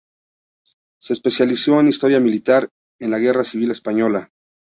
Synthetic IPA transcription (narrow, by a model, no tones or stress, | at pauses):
se̞ːspe̞sjalisjo̞enist̪o̞ɾjamilit̪aɾ | e̞nlaɣe̞rasiβ̞ile̞spaɲo̞la